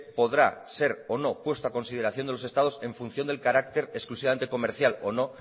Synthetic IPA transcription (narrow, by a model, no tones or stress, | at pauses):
po̞ðɾa̰se̞ɾo̞no̞pwe̞st̪oako̞nsiðe̞ɾaθjond̪elo̞se̞st̪aðo̞se̞ɱfun̟θjo̞nd̪e̞lkaɾak̚t̪e̞ɾesklusiβame̞nt̪e̞ko̞meɾθjalo̞no̞